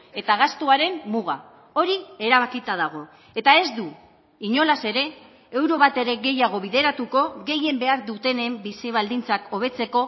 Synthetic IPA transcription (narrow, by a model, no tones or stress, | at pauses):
e̞t̪aɣast̪uaɾe̞mmuɣ̞a | o̞ɾie̞ɾaβakit̪að̞aɣ̞o̞ | e̞t̪ae̞zd̪u | iɲo̞lase̞ɾe̞ | e̞wɾo̞βat̪e̞ɾe̞ɣe̞jaɣ̞o̞βiðe̞ɾat̪uko̞ɣe̞je̞mbe̞aɾðut̪e̞ne̞mbisiβ̞ald̪int͡sako̞β̞e̞t͡se̞ko̞